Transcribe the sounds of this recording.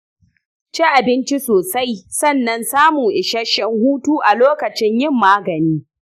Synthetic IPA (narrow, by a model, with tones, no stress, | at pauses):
t͡ʃi˦ʔa˨bɪ˦nt͡ʃi˦soː˨sa˦jsɐ˦˨nːɐ˦nsaː˦muː˨ʔɪ˨ʃɐ˦ʃɪ˦ŋhuː˦tuː˦ʔa˨loː˦kɐ˨t͡ʃɪ˦ɲjɪ˦˨mːaː˦ɡɐ˨niː˦